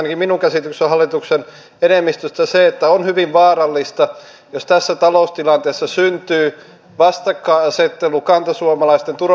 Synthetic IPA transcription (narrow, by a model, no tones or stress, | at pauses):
nɑkiminuŋkæsit̪yksehɑlːˑit̪uksen | enemːist̪øst̪æseet̪ːæonhyʋiʋʋɑːrɑlːist̪ɑ | jost̪æsːæt̪ɑloˑust̪ilɑnt̪eːsːɑsynt̪yː | ʋɑst̪ɑkːɑiɑset̪ːelukɑnt̪ɑsuomɑlɑist̪ent̪ur